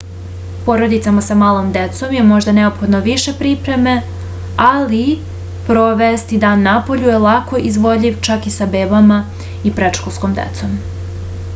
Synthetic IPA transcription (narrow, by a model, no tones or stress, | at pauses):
po̞ɾo̞d̪it̪samasamaːlˠo̞md̪e̞t̪so̞mje̞mo̞ʒd̪ane̞opxo̞d̪noʋiʃe̞pɾiːpɾe̞me̞ | ali | pɾo̞ʋest̪id̪aːnːapo̞ʎujelako̞ʔizʋo̞ʎiʋt͡ʃakisabe̞ːbama | ipɾe̞t͡ʃkosko̞md̪ḛt̪so̞m